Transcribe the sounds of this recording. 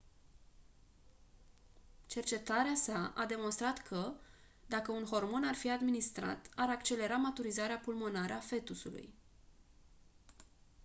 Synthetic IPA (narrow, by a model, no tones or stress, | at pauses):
t͡ʃe̞rt͡ʃe̞t̪aɾeasaad̪e̞monst̪ɾat̪kʰə | d̪akəunɦo̞rmo̞narfiad̪minist̪ɾa̰t̪aɾakt͡ʃe̞le̞ɾamat̪uɾizaɾeapulmo̞naɾeafe̞t̪usulṵj